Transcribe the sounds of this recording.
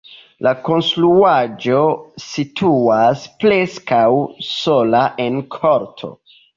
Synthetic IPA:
lako̞nstɾuad͡ʒo̞sitʰuaspleskawso̞laʔe̞nkʰoɾtʰo̞̰

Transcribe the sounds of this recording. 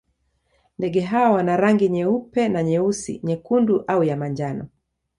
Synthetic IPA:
ndɛɠɛɦawawanaɾaŋɡiɲɛupɛnaɲɛusḭɲɛkunduʔaujamaɲd͡ʒanɔ̰

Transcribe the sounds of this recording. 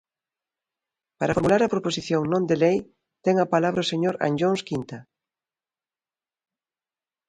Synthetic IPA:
paɾɐfoɾmulaɾɐpɾoposiθjoŋnõnd̪elej | t̪ɛŋɐpalaβɾɐʊseɲoɾa̰nd͡ʒoŋskint̪ɐ

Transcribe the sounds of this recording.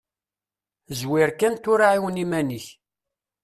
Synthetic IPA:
zwɪɾkːænt̪ʊɾaʕiwnimæniç

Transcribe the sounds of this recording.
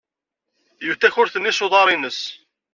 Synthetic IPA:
juθːæçʊɾθənːisoðˤɑɾˤinəs

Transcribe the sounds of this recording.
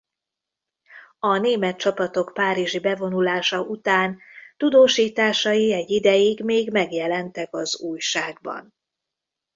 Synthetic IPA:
ɒneːmɛt̪̚t͡ʃɒpɒt̪o̞kpaːɾiʒibɛvo̞nulaːʃɒʔut̪aːnt̪ud̪oːʃiːt̪aːʃɒjiɛɟːid̪ɛjiɡmeːɡmɛɡjɛlɛnt̪ɛkɒzuːjʃaːɡ̚bɒ̰n

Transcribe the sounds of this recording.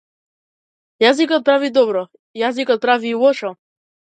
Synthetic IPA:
jazikɔt̪̚pɾavid̪ɔbɾɔ | jazikɔt̪̚pɾaviːwɔʃɔ

